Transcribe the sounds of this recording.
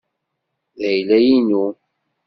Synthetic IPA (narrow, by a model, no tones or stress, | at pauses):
ðæjlæjinu